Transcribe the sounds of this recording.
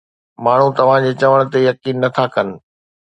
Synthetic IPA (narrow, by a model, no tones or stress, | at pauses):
maːɳ̤ũt̪ɐʋ̤ãd͡ʑeːt͡ɕɐʋəɽ̃ʊ̆t̪ejɐkiːnːɐt̪ʰakɐnɪ̆